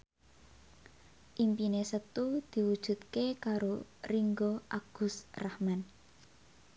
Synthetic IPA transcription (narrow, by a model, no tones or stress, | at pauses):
ʔimpinesət̪ud̪̥i̤wud̥ʒ̥ṳt̪̚kekaɾoriŋɡɔʔaɡ̥ʊ̤srahman